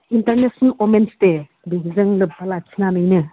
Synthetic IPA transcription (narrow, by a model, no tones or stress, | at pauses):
intɐɾnesnəlomenste | biɦizɯŋlɯp̚balat͡ʃʰinanɯjnɯ